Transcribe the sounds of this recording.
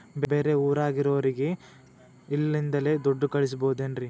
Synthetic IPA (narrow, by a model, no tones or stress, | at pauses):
bebe̞ːɾe̞uːɾaːɡiɾɐʋɐɾiɡe̞ | ilːind̪ɐle̞d̪oɖːukɐɭis̬ɐboːud̪eːnɾi